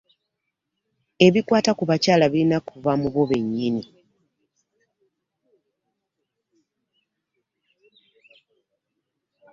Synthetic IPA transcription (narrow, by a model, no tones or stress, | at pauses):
e̞βikwaːtakuβacaːlaβilinakuvamuβoβe̞ɲːini